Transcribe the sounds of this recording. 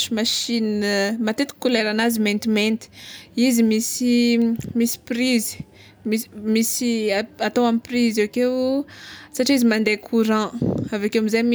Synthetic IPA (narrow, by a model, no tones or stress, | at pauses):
umaʃinmat̪et̪i̥kuleɾanazimẽnt̪imẽnt̪i̥izimisimisi̥priz̥ | mimisiaat̪owamiprizewakew | saʈ͡ʂiizimand̪ekʰuɾãavakewamizajmi